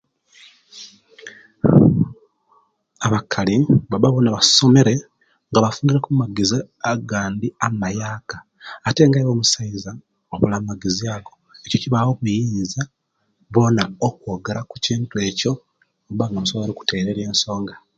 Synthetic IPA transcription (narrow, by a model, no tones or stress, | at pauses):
aβakʰaliβabaβo̞naβaso̞me̞ɾe̞ | ŋɡaβafuːniɾekumaɡizi | aɡaːndiamajaːkaː | te̞ŋɡaiβo̞ːmusaiza | oβulammaɡiziaɡo̞eco̞ciβawo̞βujiːza | βo̞naokwo̞ɡeɾaku̥ciːntwe̞ːco̞ | obaŋamusomeɾeku̥te̞ɾeɾje̞ːnso̞ːŋɡa